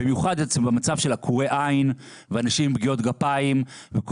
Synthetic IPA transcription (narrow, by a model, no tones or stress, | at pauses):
bimjuχad̪et͡sbemat͡savʃelakʰuʁeʔain | veanaʃimbɡio̞t̪ɡapaimvek